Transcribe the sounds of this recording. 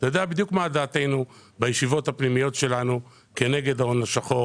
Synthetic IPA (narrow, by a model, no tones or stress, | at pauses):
t̪ajod̪eabid̪jukmaːd̪aːt̪e̞jnu | bajeʃivo̞thapnimijo̞tʃe̞lanu | ke̞ne̞ɡed̪aonaʃaχo̞